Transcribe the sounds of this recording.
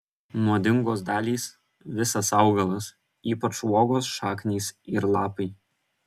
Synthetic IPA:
moːd̪ʲɪŋɡoːsd̪ɑːlʲiːs | ʋʲɪsɐsɑʊɡɐlˠɐs | iːpɐt͡ʃʋuɔːɡoːsʃɑːknʲeːsɪɾlˠɑːpɐɪ

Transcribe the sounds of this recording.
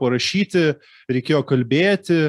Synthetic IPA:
pɐɾɐʃʲiːt̪ʲɪ | ɾʲɛɪkʲeːjoːkɐlʲbʲeːt̪ʲɪ

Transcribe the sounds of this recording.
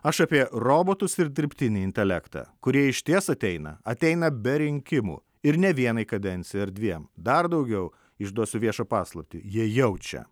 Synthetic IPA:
ɐʃɐpʲiɛɾoːboːt̪ʊsɪɾd̪ʲɪɾʲpʲt̪ʲɪnʲɪɪnʲt̪ʲɛlʲækt̪ɑ̰ːkʊɾʲiɛɪʃʲt̪ʲiɛsɐt̪ʲɛɪnɐ̰ɐt̪ʲɛɪnɐbʲɛɾʲɪŋʲkʲɪmṵː | ɪɾnʲɛʋʲiɛnɐɪkɐd̪ʲɛnʲt̪sʲɪjɐɾd̪ʲʋʲiɛmd̪ɐɾd̪ɐʊɡʲɛʊ | ɪʒd̪uɔsʲʊʋʲiɛʃɐpɑːslˠɐpʲt̪ʲijiɛjɛʊt͡ʃʲɛ̰

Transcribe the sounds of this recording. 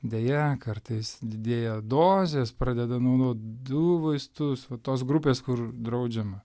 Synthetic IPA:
d̪ʲejɛkɐrt̪ɐɪsd̪ʲɪd̪ʲeːjɛd̪oːzʲeːspɾɑːd̪ʲɛd̪ɐnɐʊd̪oːt̪d̪ʊʋɐɪst̪ʊsʋɐt̪oːs̬ɡɾupʲeːskʊrd̪ɾɐʊd͡ʒʲɛmɐ

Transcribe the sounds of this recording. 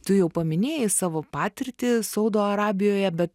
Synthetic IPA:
t̪ʊjɛʊpɐmʲɪnʲeːjɪsɑːʋoːpɑːt̪ʲɪɾʲt̪ʲɪsɐʊd̪oːɐɾɑːbʲɪjoːjɛbʲɛt̪

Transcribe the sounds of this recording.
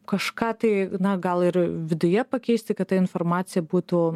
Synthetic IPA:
kɐʃkɑːt̪ɐɪnɐɡɐlˠɪɾʋʲɪd̪ʊjɛpɐkʲɛɪsʲt̪ʲɪkɐt̪t̪ːɐɪnfɔrmɑːt̪sʲɪjɛbuːt̪ʊ

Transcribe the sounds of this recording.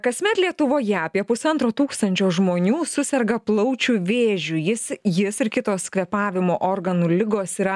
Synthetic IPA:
kɐsʲmʲɛt̪lʲiɛt̪ʊʋoːjɛɐpʲiɛpʊsɐnt̪ɾoːt̪uːkst̪ɐnʲt͡ʃʲoːʒmoːnʲuːsʊsʲɛɾɡɐplˠɐʊt͡ʃʲuʋʲeːʒʲujɪsjɪsɪɾkʲɪt̪oːskʋʲɛpɑːʋʲɪmoːʔoːrɡɐnuːlʲɪɡoːsiːɾɐ

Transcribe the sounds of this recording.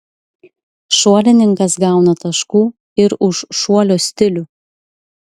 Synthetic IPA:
ʃuɔlʲɪnʲɪŋˑkɐsɡɑˑʊnɐt̪ɐʃkuː | ɪɾʊʃːuɔlʲoːsʲt̪ʲɪlʲʊ

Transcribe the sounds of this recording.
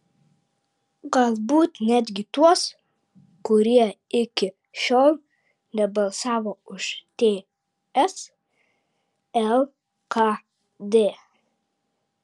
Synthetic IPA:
ɡɑlˠbuːt̪nʲɛd̪ʲɡʲit̪uɔs | kʊɾiɛɪkʲɪ | ʃɔlˠ | nʲɛbɑlsɑːʋɐʊʃt̪ʲeː | ɛs | ɛl | kʰɑ | d̪eː

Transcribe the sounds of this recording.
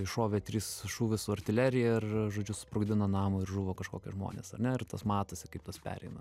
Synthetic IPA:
ɪʃoːʋʲet̪ʲɾʲiːsʃuːʋʲɪsʊɐrʲt̪ʲɪlʲæːɾʲɪjɛɪrʒoːd͡ʒʲʊsʊ̥pɾʊɡd̪ʲɪnɐnɑːmʊɪrʒuːʋoːkɐʃkoːkʲɛʒmo̰ːnʲḛːsɐrnʲɛɪrt̪ɐsmɑːt̪ɐsʲɪkɐɪp̚t̪ɐspʲæ̰ːɾʲɛ̰ɪnɐ

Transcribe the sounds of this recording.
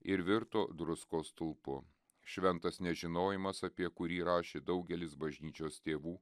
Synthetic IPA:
ɪɾʋʲɪɾt̪oːd̪ɾʊskoːst̪ʊlˠpʊ | ʃʲʋʲɛnt̪ɐsnʲɛʒʲɪnoːjɪmɐsɐpʲiɛkʊɾʲiːɾɑːʃʲeːd̪ɒʊɡʲɛlʲɪsbɐʒʲnʲiːt͡ʃʲoːst̪ʲeːʋuː

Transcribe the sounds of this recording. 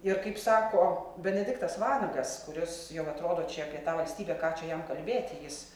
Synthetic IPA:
ɪrkɐɪpsɑːkoːbʲɛnʲɛd̪ʲɪkt̪ɐsʋɑːlʲɐŋɡɐskʊɾʲɪsjɛʊɐt̪ɾoːd̪oːt͡ʃʲɛɐpʲiɛt̪ɑːʋɐlʲsʲt̪ʲiːbʲeːkɑːt͡ʃʲɛjɛmkɐlʲbʲeːt̪ʲɪjɪs

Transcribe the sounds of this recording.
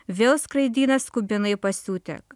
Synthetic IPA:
ʋʲeːlˠskɾɐɪd̪ʲiːnɐskʊbʲɪnɐɪpɐsʲuːt̪ʲɛ̰k

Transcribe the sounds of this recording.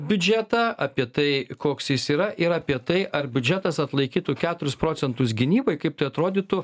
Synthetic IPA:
bʲʊd͡ʒʲæːt̪ɑːɐpʲiɛt̪ɐɪkoːksjɪsiːɾɐʔɪɾɐːpʲiɛt̪ɐɪʔɐɾbʲʊd͡ʒʲæːt̪ɐsɐt̪lˠɐɪkʲiːt̪ʊkʲæːt̪ʊɾʲʊspɾoːt͡s̪ʲɛnt̪ʊs̬ɡʲɪnʲiːboɪkɐɪpt̪ɐɪɐt̪ɾoːd̪ʲiːt̪ʊ

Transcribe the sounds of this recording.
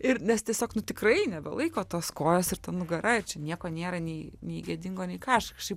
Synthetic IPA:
ɪrnʲɛst̪ʲiɛsʲoːknʊt̪ʲɪkrɐɪnʲɛbʲɛ̰lˠɐɪkoːt̪oːskoːjoːsɪɾt̪ɐnnʊɡɐɾʔɐɪrt͡ʃʲɛnʲiɛkoːnʲeːɾɐnʲɛɪnʲɛɪɡʲɛd̪ʲɪŋɡoːnʲɛɪkɑːɐʃɐkʃʲɛɪp

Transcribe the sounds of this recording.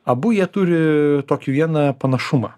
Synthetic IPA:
ɐbʊjiɛt̪ʊɾʲɪt̪oːkʲiʋʲiɛnɐpɐnɐʃʊmɐː

